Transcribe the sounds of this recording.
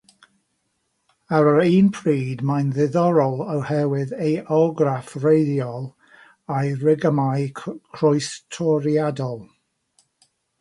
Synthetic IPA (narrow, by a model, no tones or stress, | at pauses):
aɾəɾiːnpʰriːdmajnðɪðɔɾɔlˠəwhɛwɪðejʔɔɡɾafrejðjɔlˠ | ajrɪɡəmajkʰrɔɨstʰɔɾiadɔlˠ